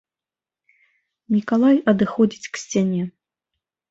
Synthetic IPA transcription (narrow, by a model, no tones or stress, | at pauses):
mʲikalˠajɐd̪ɨxɔd͡zʲit͡sʲksʲt͡sʲanʲɛ